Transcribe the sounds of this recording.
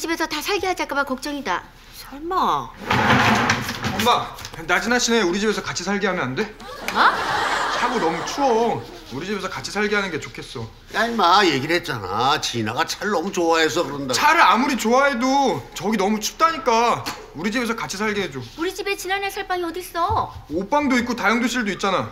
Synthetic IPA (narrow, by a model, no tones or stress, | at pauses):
d͡ʑibe̞sʰʌtasʰaɭɡiɦad͡ʑakabakʌk̚t͡ɕ͈ʌŋida̰ | t͡ɕʌɭma | ombanad͡ʑinaɕʰine̞uɾid͡ʑibe̞sʰʌkat͡ɕʰisʰaɭɡiɦamjʌnande̞at͡ɕʰaɡonʌmut͡ɕʰuʌ | uɾid͡ʑibe̞sʰʌkat͡ɕʰisʰaɭɡiɦanɯnɡe̞t͡ɕokʰe̞s͈ʌ | jamaje̞ɡinɦet̚t͡ɕ͈ana̰t͡ɕinaɡat͡ɕʰaɭnʌmut͡ɕoaɦe̞s̬ʰʌkɯɾʌndat͡ɕʰaɾɯɾamuɾit͡ɕoaɦe̞dot͡ɕʌɡinʌmut͡ɕʰu̥p̚t͈aɲik͈a | uɾid͡ʑibe̞sʰʌkat͡ɕʰisʰaɭɡiɦed͡ʑouɾid͡ʑibe̞t͡ɕinanesʰaɭpaŋiʌdis͈ʌop͈aŋdoit̚k͈otajʌŋdoɕʰiɭdoit̚t͡ɕ͈ana